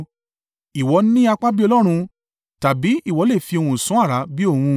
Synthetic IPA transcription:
i˨wɔ˨˧˦nĩ˦a˧k͡pa˦bi˦ɔ˧lɔ˦ɾ̃ũ˧ | ta˨bi˨˦i˦˨wɔ˨˦le˦˨fi˧o˧ũ˧˨sũ˨˦a˦˨ɾa˨˦bi˦o˦˨hũ˧

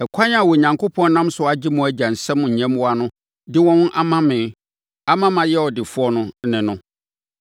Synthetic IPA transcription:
ɛ˨kʰa˦ɲ˦a˨wɔ˨ɲã˨ŋkʰo˦pʰɔ̃˦n˦nã˦msʊ˨ɔ˦a˦d͡ʑɪ˦mʊ̃˨˦æ˦d͡ʑa˨n̩˨sɛ̃˦mʊ̃˨ɲ̩˨ɲɛ̃˦mwɔ˦a˦nʊ̃˦ | dɪ˦wɔ̃˦wʊ̃˦ʔa˦mã˦mɪ̃˨ | a˦mã˦mã˨jɛ˦ɔ˨dɪ˨fʊ˦ɔ˦nʊ̃˦˨˦nɪ̃˨nʊ̃˦

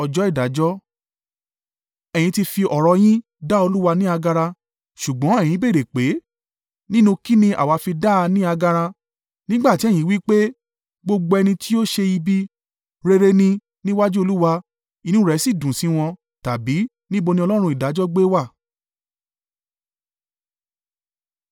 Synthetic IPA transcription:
ɔ˧d͡ʒɔ˨˦i˦˨da˨˦d͡ʒɔ˦ | ɛ̃˨ĩ˧ti˧fi˧ʔɔ˨ɾɔ˧j̃ĩ˦ | da˦o˧lu˦wa˧nĩ˦a˧ɡa˧ɾa˧ | ʃu˨ɡ͡bɔ̃˨˦ɛ̃˦˨ĩ˨˦be˦˨ɾe˨k͡pe˨˦ | nĩ˦nũ˧ki˦nĩ˧ʔa̰˨wa˨˧fi˧da˦˧nĩ˦a˧ɡa˧ɾ̃ã˧ | nĩ˦ɡ͡ba˦˨ti˨˦ɛ˦˨jĩ˨˦wi˦k͡pe˦ | ɡ͡bo˧ɡ͡bo˧ɛ˧nĩ˧ti˦o˦ʃe˧i˧bi˦ | ɾe˧ɾe˧nĩ˧ | nĩ˦wa˦d͡ʒu˦o˧lu˦wa˧ | i˧nũ˦ɾɛ˨˦si˦˨dũ˨sĩ˨˦w̃ɔ̃˧ | ta˨bi˨˦ | nĩ˦bo˧nĩ˧ɔ˧lɔ˦ɾ̃ũ˧i˨da˨˦d͡ʒɔ˦ɡ͡be˦wa˦˨

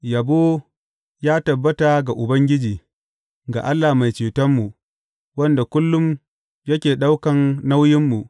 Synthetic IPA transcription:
ja˨boː˦ | jaː˦tɐ˨bːɐ˦ta˨ɡa˨ʔʊ˨bɐ˦ŋɡʲɪ˦d͡ʒiː˨ | ɡa̰˨ʔa˦lːa˨ma˨jt͡ʃeː˨tɐ˦mːu˨ʔ | wɐ˦nda˨kʷʊ˦lːʊ˦m | jɐ˦kʲeː˨ɗa˦wkɐ˨nːa˦wjɪ˦mːu˨ʔ

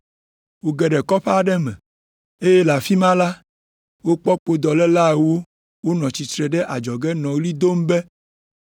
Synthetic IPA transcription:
wo˨ɡɛ˨ɖɛ˨kɔ˦ɸɛ˦˨ɖɛ˦mɛ̰̃˨ | e˦je˦la˨fi˦mã˦la˦ | wo˦k͡pɔ˦k͡po˨d̪ɔ˨lɛ˦la˦wo˦ | wo˦nɔ̃˨t͡ɕi˨t̪ɾɛ˨ɖɛ˦ʔa˨d͡ʒɔ˨ɡɛ˦nɔ̃˨ɡli˦d̪o˦m˦bɛ˦

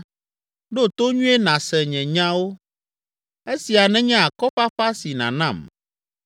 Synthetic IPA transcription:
ɖo˦t̪o˦ɲũ˦e˦nã˨sɛ˨ɲɛ̃˨ɲã˦wo˦ | e˦si˨a˨nɛ̃˦ɲɛ̃˦a˨kɔ˦ɸa˦ɸa˦si˨nã̰˨nã˦˨m

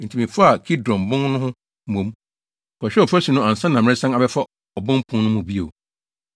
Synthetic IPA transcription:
n̩˨tʰi˨mĩ˨fa˦a˨kʰi˦dɾɔ̃˨m˨bʊ̃˦ŋnʊ̃˦hʊ̃˦ | mõ˨˦m˨ | kʰɔ˨ɕᶣɛ˦ɔ˨fæ˦si˨nʊ̃˦ã˨n˨sã˦nã˨m̃˦ɪ̃˦sã˦na˨bɛ˦fa˦ | ɔ˨bʊ̃˦m˦pʰʊ̃˦nnʊ̃˦mũ˨bi˦o̰˨

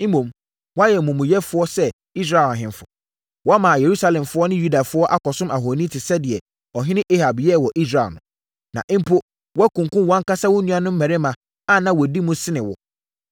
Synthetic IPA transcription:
m̩˦mõ˨m | wɔ˦a˦jɛ˨mũ˨mũ˨jɛ˦fʊ˦ɔ˦sɛ˦ | i˦s̬ɾa˨ã˨ɦɪ̃˨nfʊ˨ | wɔ˦a˦mã˨je˨ɾu˦sa˦lɛ̃˨mfʊ˦ɔ˦nɪ̃˦ju˦da˨fʊ˦ɔ˦ʔa˦kɔ˨sʊ̃˦ma˨ɦo˨nĩ˦tʰɪ˨sɛ˦dɪ˨ɛ˨ | ɔ˨ɦɪ̃˦nɪ̃˦ʔe˦ha˨bjɛ˦˨wɔ˨ʔi˦s̬ɾa˨nʊ̃˨ | nã̰˨ʔɪ̃˦m̩˦pʰʊ˦ | wɔ˦æ˦kũ˨ŋ˨kʊ̃˦nwɔ̃˦ŋ˦ka˦sa˦wʊ˦nũ˦a˦nʊ̃˦m̩˦mɛ̃˨ɾɪ˦mã˨ | a˦nã˨wɔ˨di˦mũ˦sɪ˦nɪ̃˨wɔ̰˨

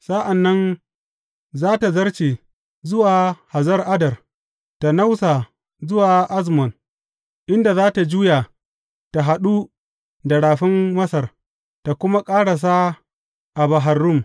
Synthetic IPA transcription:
sa˦ʔa˨nːɐ˦n | zaː˦ta˨zɐ˦rt͡ʃeː˨ | zʊ˦waː˨ha˨zɐ˦rʔa˦dɐ˨r | ta˨na˦wsa˨ | zʊ˦waː˨ʔa˦zmɔ˨n | ʔɪ˦nda˨zaː˦ta˨d͡ʒuː˦jaː˨ | ta˨ɦa˨ɗu˦ | dɐ˨ɽaː˨ɸɪ˦mːɐ˦sɐ˨r | ta˨kʷʊ˦ma˦kʼaː˦ɽa˨s̬a˦ | ʔa˨ba˨ɦa˨rːʊ˦˨m

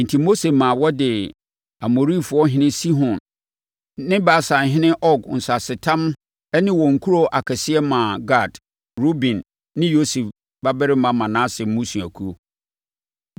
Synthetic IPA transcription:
n̩˨tʰi˨mo˦se˨mã˨wɔ˦dɪ˨ | a˨mo˨ɾi˦fʊ˨˦ɔ˦ɦɪ̃˦nɪ̃˦si˦ɦɔ̃˨nː | ɪ̃˦ba˨˦˨sa˨n˨ɦɪ̃˦nɪ̃˦ʔɔ˦ɡn̩˨sa˨sɪ˨tʰã˦m | ɛ˦nɪ̃˦wɔ̃˨ŋ̩˨kʰu˦ɾo˦ʔa˨kʰɛ˨sɪ˦ɛ˦mã˨ɡa˦˨d | ɾo˦bĩ˨nː | ɪ̃˦jo˦se˨f | ba˦bɛ˦ɾɪ˦mã˨mã˨nã˦sɪ˨mũ˦su˨æ˨kʰu˦o˦

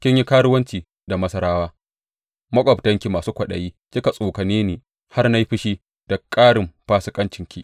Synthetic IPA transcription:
kʲɪ˦ɲji˦kaː˦ɽʊ˦wɐ˦nt͡ʃiː˨ | da˨mɐ˦sɐ˦ɾaː˦waː˦ | mɐ˦kʷʼɔ˨btɐ˦ŋkʲi˨maː˨suː˦kʷɐ˨ɗɐ˨jiː˦ | kʲɪ˦ka˨sʼoː˨kɐ˨neː˦niː˨ | ha˦rna˦ji˦ɸɪ˦ʃiː˦ | d̥ɐ˨kʼaː˦ɽɪ˨mɸaː˦sɪ˦kʼɐ˦nt͡ʃɪ˨ŋkʲi˦ʔ

